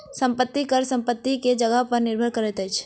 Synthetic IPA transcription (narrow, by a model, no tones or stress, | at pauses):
sə̃mpət̪ːikəɾsə̃mpət̪ːiked͡ʒəɡəɦpəɾnɪɾbʱəɾkəɾɛt̪ɦəjt͡ʃʰ